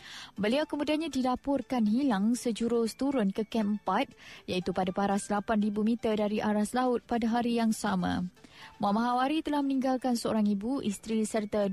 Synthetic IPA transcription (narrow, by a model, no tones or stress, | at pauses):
bəliawkəmudianɲãdilapʊrkanɦilaŋsəd͡ʒuɾʊst̪uɾʊnkəkɛməpat̪̚jait̪upadapaɾasəlapanribumĩt̪ərdaɾiʔaɾaslaʊt̪̚padaɦaɾijaŋsamã̰mãmaɦawaɾit̪əlahmənĩŋɡalkansəo̰ɾaŋibuʔist̪ɾisərt̪a